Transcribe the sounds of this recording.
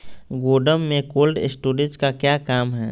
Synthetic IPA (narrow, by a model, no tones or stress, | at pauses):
ɡoːɖəmːẽkoːlɖɪ̰sʈuːɾẽskakjaːkaːmɦɛː